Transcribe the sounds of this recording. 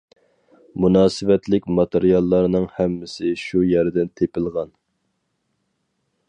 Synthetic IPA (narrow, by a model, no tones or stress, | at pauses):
munɑːsɨvɛt̪lɪkʲmɑt̪eɾijɑlˠːɑɾnɨŋhɛmːɪsɪʃujɛɾd̪ɛnt̪ʰepɪlˠʁɑn